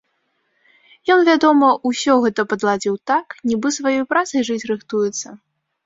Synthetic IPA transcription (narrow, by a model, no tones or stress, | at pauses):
jɔnvʲad̪ɔmɐʔusʲɔɣɛt̪ɐpɐd̪lˠad͡zʲiwt̪aknʲibɨsvajɔjpɾat̪sɐjʐɨt͡sʲrɨxt̪ujɛt̪sːɐ